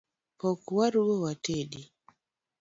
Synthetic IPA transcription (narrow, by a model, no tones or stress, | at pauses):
pɔkwaɾuɡowatedi